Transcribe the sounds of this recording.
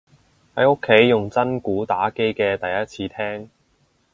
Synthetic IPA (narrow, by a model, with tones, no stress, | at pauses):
hɐ˨˥jʊ˥kʰːe˨˥jːʊ˨˩ŋt͡sɐ˥nkuː˨˥t̪aː˨˥ke˥jkɛː˧t̪ɐ˨jɐ˥t̚t͡sʰiː˧t̪ʰɛː˥ŋ